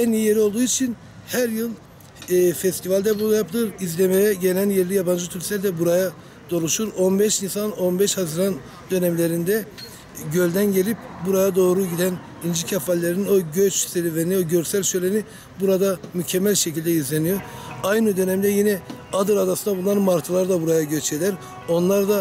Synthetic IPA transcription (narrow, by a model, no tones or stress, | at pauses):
ɛnijeɾio̞lˠd̪uːit͡ʃʰin | hæɾjɯlˠː | fɛst̪ʰivalʲd̪ɛbuajapʰlˠɯɾizlʲemejɛɟe̞lʲænjeɾlʲijaband͡ʒɯt̪ʰyɾʲisʲæɾʲd̪ɛbuɾaja | d̪̥o̞ɾuʃuɾo̞nbɛʃinsano̞nbɛʃhazɯɾan | d̪ø̞nɛmlʲe̞ɾind̪ɛ | ɟø̞lʲd̪ænɟe̞lʲip̚buɾajad̪o̞ːɾuɟid̪æn | ind͡ʒicʰafalʲːeɾininoɟøt͡ʃseɾiveɾnioɟø̞ɾsælʲʃøjlʲeni | buɾad̪amycʰɛmːælʲʃecʰilʲd̪ɛizlʲenijoɾajnɯd̪ø̞nɛmd̪ɛjinɛad̪ɯɾad̪asɯnd̪abunlˠaɾmaɾt̪ʰɯlˠaɾd̪abuɾajaɟøt͡ʃed̪æɾ | o̞nlˠaɾd̪a